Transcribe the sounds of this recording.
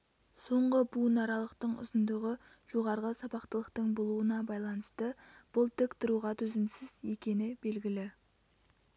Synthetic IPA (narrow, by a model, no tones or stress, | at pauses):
so̞ɴʁəbunɑɾɑlˠəqt̪əɴʊ̰zənd̪əʁə | ʒ̥o̞ʁɑɾʁəsɑbɑqt̪əlˠəqt̪əɴbolˠuənɑbɑjlˠɑnəst̪əb̥ʊlˠt̪ʰɪkt̪ɪɾuʁɑt̪ʰɵzɪmsɪzje̞kʲe̞nɪbe̞lɡʲɪlɪ